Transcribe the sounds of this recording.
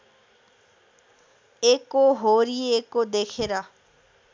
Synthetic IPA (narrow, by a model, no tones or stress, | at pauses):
eːkoɦoːɾieeːkod̪eːkʰeːɾaː